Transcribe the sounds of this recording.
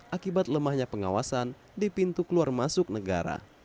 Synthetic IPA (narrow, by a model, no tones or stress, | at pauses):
ʔakibat̪̚ləmahɲapəŋa̰wasan | dipint̪ukəluarmasʊk̚nəɡa̰ɾa̰